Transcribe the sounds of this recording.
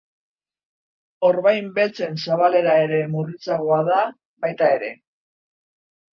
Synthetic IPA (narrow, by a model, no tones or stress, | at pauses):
o̞ɾβajmbe̞lt͡se̞nsaβale̞ɾae̞ɾe̞murit͡saɣoaða | βajt̪ae̞ɾe̞